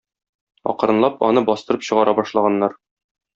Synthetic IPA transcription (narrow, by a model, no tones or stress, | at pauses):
ɒ̰q̆ɾɤ̆nlˠɑpɒ̰nɤbɒst̪ɤ̆ɾɤpɕɤ̆ʁɑɾʔɑbɒʃlˠɑʁɑnːɑɾ